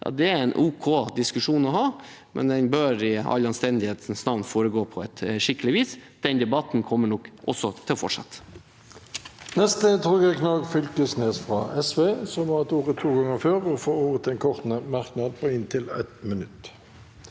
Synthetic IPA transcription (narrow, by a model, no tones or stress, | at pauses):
jɑ̰ːd̪ɛæɾɛnʔuːkʰoːd̪ɪskʉʂuːnɔɦɑː | mʔɛ̰nd̪ɛnbøːɾɪɑ̰lːɑnst̪ɛnd̪ɪheːt̪n̩snɑʋnfoːɾəɡoːpʰɔɛt̪ʂɪkːəlɪʋiːsd̪̥ɛnd̪ɛbɑt̪n̩kʰɔmːəɳɔkʔɔ̰sːɔt̪ʰɪlfɔ̰ʈʂɑ̰t̪ː | nɛst̪ət̪ʰʁuːɡɛknɑɡfʏlkəsneːsfʁɑʔɛsʋeːsɔmhɑʁɛt̪uːʁət̪ʰːuːɡɑŋːəføːʁɔfoːuːʁət̪ʰɛnkʰɔʁt̪nəmɑʁknɑd̪̚pʰɔɪnt̪ʰɪlɛ̰t̪mənʉt̪